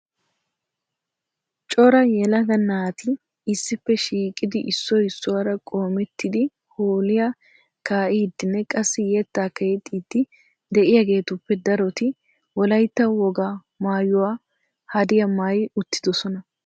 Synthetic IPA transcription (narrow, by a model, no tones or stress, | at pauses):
t͡ʃʼɔɾɐjɛlɐɡɐnːaːt̪ɪ | ɪsːɪpːɛʃiːkʼɪd̪ɪʔɪsːɔhɪsːʊwaɾɐkʼo̞ːmɛt̪ːɪd̪ɪ | hoːlɪja | kaːʔɪd̪ːɪnːɛkʼɐsːɪjɛt̪ːaːkɐjɛt̪ʼːiːt̪ːɪ | d̪ɛʔɪjaɡe̞ːt̪ʊpːɛd̪ɐɾɔt̪ɪ | wɔlɐjt̪ːɐwɔɡa | maːjʊwaː | hɐd̪ɪjɐmaːjʊt̪ːɪd̪ɔsɔnɐ